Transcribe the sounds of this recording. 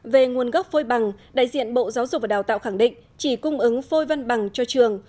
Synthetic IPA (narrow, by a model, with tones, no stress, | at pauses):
ve˨˩ŋu˨˩ənɣa˦˥p̚fo˧jɓa˨˩ŋɗa̰ː˧˨jzḭ˧˨ənɓo̰˧˨zaː˨˦wzʊ˨˩k̚vaː˨˩ɗaː˨˩wt̪aː˧˨wxaː˧˩ŋɗḭ̈˧˨ŋ̟ | t͡ɕi˧˩kʊ˧ŋ͡mʔɨ˨˦ŋfo˧jva˧nɓa˨˩ŋt͡ɕɔ˧t͡ɕɨ˨˩əŋ